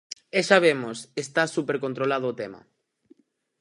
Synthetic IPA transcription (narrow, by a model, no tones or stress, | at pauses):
eʃaβ̞emosest̪asupeɾkont̪ɾolaðoːt̪ema̰